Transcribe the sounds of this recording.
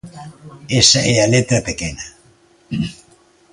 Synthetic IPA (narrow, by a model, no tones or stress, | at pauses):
esaʔealet̪ɾapekena